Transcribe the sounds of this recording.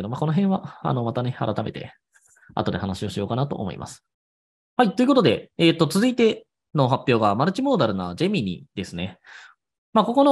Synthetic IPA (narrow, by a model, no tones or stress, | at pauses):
ed̪o̞mako̞no̞ɦẽ̞βaa̰no̞mat̪ane̞aɾat̪ame̞̰t̪e̞̰ | a̰t̪o̞d̪e̞hanaɕio̞ɕijo̞ːkanat̪o̞̰ʔːmo̞̰ḭmʔa̰sɨ̥ | hait̪oiɯ̟kot̪o̞d̪e̞ːt̪ːo̞t͡sɨzɨit̪e̞ | no̞ɦapʲːjo̞ːɡamaɾɯ̟t͡ɕimo̞ːd̪aɾɯ̟na̰d͡ʑe̞mʲiɲ̟ḭd̪e̞sɨne̞ | mako̞ko̞no